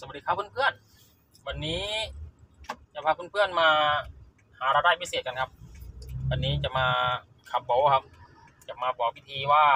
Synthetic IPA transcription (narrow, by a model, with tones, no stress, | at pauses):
sa˧˦˨diː˧˩kʰa˧˩pʰnpʰɯ˧˥˩ən | wa˧nːiː˦˥ | t͡ɕa˨˧˩pʰa˧kʰɯ˧˥˨npʰɯ˧˩ənmaː˧ | haː˨˦ɾaː˧ɾaː˧˩jpʰiː˧˩seː˨˩t̪̚ka˧˨nkʰa˧˥p̚wa˧nːiː˦˥t͡ɕa˨˩maː˧ | kʰa˧˦m̚bo˨˦wkʰa˧p | t͡ɕa˨˩maː˧bɔː˨˩k̚i˧t̪ʰiː˧waː˧˩